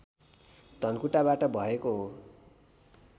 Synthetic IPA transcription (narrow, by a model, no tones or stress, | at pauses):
d̪ʱʌnkuʈabaʈʌbʱʌekoɦo